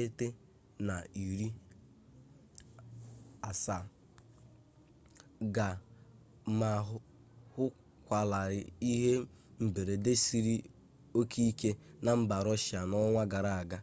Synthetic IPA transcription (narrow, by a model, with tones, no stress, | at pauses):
e˦te˦ | na˨i˨ɾi˦ | a˨sa˨ | ɡa˨ | ma˨ɦʊ˦ | hʊ˦ | kʷa˨la˨ɾɪ˨i˦ɦe˦m̩˨be˨ɾe˨de˦si˦ɾi˦ | o˦kʰi˦i˦ke˦na˨m̩˦ba˨ɾɔ˦ʃja˨nɔ˦ŋʷa˦ɡa˨ɾa˨a˨ɡa˦